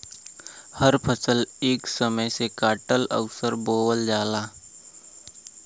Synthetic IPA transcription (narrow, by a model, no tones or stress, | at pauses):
həɾpʰəsəleːksəməjsekaːʈələ̰ʋsəɾboːwəld͡ʒaːlaː